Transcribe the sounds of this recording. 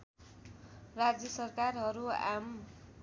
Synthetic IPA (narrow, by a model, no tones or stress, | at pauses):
rad͡zjʌsʌrkarɦʌɾua̰m